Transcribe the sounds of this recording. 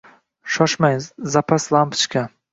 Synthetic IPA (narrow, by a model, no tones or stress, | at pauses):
ʃɒʃmajzapʰaslˠampt͡ʃkʲʰa